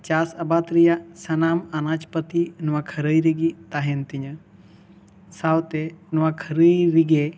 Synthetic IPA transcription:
t͡ʃaːsɐbaːt̪ɾijasɐnaːmanaːt͡ʃpɐt̪inuʋakʰɐɾəjɾiɡit̪aːɦent̪iɲɐ | saːwt̪enuʋakʰəɾəjɾiɡe

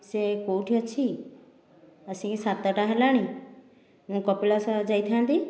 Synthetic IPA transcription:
sekoʈʰijɔt͡ʃʰi | əsĩkesat̪ːəʈaɦalaɽ̃ĩ | ɦũːkɔpilasad͡ʒait̪ʰãnt̪i

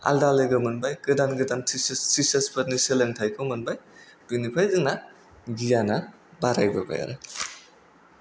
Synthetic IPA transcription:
a̰ldaleɡɯmɯnbajɡɯdanɡɯdantʰisssisɐsbɐniseleŋtʰajkʰɯmɯnbajb̥unipʰajzɯŋna | ɡijana | baɾajbɐba̰ja̰ɾa

